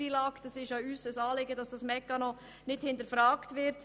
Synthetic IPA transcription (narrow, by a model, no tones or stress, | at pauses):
ilɑktɛsɪʃjɑysəsɑːlɪɡəd̥ɑsd̥ɑsmɛkːɑnɔ | nɪthɪntəɾfɾaːktʋɪɾt